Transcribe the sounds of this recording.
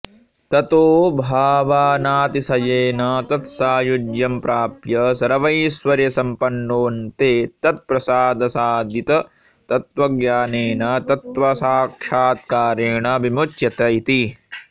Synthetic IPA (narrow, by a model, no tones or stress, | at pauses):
t̪ɐt̪oːbʱaːʋaːnaːt̪isɐjeːnɐt̪ɐt̪saːjud͡ʒjɐmpɾaːpjɐsɐɾɐʋɐjsʋɐɾjɐsɐmpɐnːoːnt̪eːt̪ɐt̪̚pɾɐsaːd̪ɐsaːd̪it̪ɐ | t̪ɐt̪ʋɐɡjaːneːnɐt̪ɐt̪ʋɐsaːkʂaːt̪̚kaːɾeːɳɐbimut͡ʃjɐt̪ɐit̪i